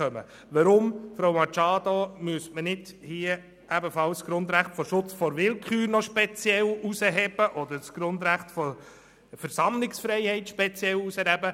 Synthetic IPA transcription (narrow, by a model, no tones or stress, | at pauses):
œmə̰ | ʋəɾʊmfɾowmɑt͡ʃɑːd̪omyəsmənɪdhiə | ʔæbəfɑlsɡ̥ɾʊnd̪ɾæχtfɔʃʊt͡sfɔɾʋɪlkχyːɾnɔʃpɛt͡sjɛlusəɦɛb̥əʔɔd̪əɾsɡ̥ɾʊnd̪ɾæχtfɔ | fəɾsɑmlɪksfɾɛɪhɛɪtʃpɛt͡sjɛlusəɾhɛbə